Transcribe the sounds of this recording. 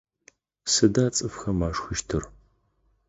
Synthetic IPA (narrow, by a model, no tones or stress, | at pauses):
sɨdaːt͡sʼɨfxɐmaːʂxɨʃtʰɨr